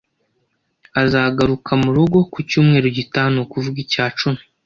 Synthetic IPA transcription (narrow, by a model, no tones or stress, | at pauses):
azaːɡaɾukʰamuɾuɡo̞kucuːmŋe̞ːɾoɟitaːnukuvuɡicaːt͡ʃumi̥